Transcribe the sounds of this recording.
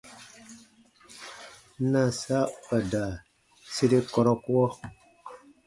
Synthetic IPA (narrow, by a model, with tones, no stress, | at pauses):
na˨sa˦ə˨da˨ | si˦ɾi˦kɔ˦ɾɔ˦ku˦ɔ˦